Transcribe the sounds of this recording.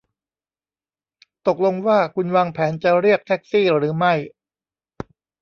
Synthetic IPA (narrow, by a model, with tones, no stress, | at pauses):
t̪o˨˩k̚lo˧ŋwaː˥˩kʰu˧nwaː˧ŋpʰɛː˩˦˥nt͡ɕa˨˩ɾi˥˩ək̚t̪ʰɛ˦˥k̚siː˥˩ɾɯː˩˦ma˥˩j